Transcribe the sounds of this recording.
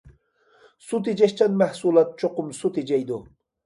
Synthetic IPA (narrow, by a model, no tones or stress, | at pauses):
sut̪̬id͡ʒaʃt͡ʃanmæhsulˠɑt̪̚t͡ʃʰoqʊmsut̪ed͡ʒajd̪ʊ